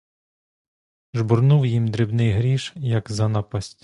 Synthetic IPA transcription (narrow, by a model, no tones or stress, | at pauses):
ʒbɔrnuwjimd̪ɾɪbnɪjɦɾʲiʃjɐkzɐnɑpɐsʲtʲ